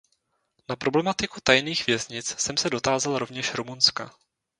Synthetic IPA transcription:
napɾo̞blɛmat̪ɪkut̪ajniːxvjɛzɲɪt͡ssɛmsɛdo̞t̪aːzalɾo̞vɲɛʃɾumunska̰

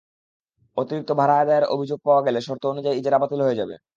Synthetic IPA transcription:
ot̪iɾik̚t̪obʱaɾaad̪aaɾo̰bʱid͡ʑoɡ̚paoaɡeleʃɔɾt̪ʰoonud͡ʑaiid͡ʑeɾabat̪ilɦoed͡ʑabḛ

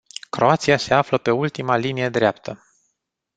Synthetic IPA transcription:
kɾoat̪siase̞afləpe̞ult̪imalinije̞d̪ɾeapt̪ʰə

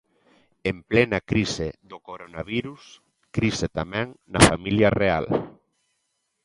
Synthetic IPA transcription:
emplɛnɐkɾisɪðokoɾonaβiɾus | kɾiset̪amɛ̃ŋnɐfamiljɐrea̰l

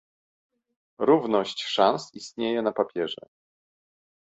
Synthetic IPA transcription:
ɾuvnɔɕt͡ɕʂãnsist̪ɲejɛnapapʲjɛʐɛ̰

